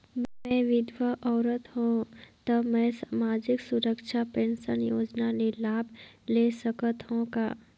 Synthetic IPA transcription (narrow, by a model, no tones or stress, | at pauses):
mmɛ̃ʋɪd̪ʋəʔɔːɾət̪ɦõt̪əmɛ̃saːmaːd͡ʒɪksʊɾəkʃʰapẽnsənjoːd͡ʒnanelaːbʱleːsəkət̪ɦõka̰ː